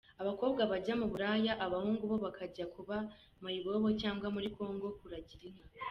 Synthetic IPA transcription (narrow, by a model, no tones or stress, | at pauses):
aβako̞ːbɡaβaɟamuβuɾaːjaʔaβahuːŋɡuβo̞βakʰaɟakuβa | mujiβoβo̞caːŋɡwamuɾiko̞ːŋɡo̞kuɾaɟiɾiŋa